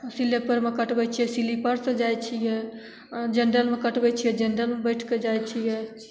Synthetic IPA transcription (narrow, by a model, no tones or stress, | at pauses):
silepəɾmekəʈbɛt͡ʃʰijɛsilipəɾsəd͡ʒajt͡ʃʰijɛ | d͡ʒənɖəlmekəʈbɛt͡ʃʰijɛd͡ʒeɳɖəlmebəjʈʰked͡ʒajt͡ʃʰijɛ